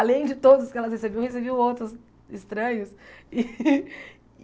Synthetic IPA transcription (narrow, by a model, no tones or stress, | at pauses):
alẽj̃d͡ʒɪt̪od̪ʊzʊskɪɛlɐshesebewhesebiwowt̪ɾʊs | ɪst̪ɾɐ̃ɲʊsɪ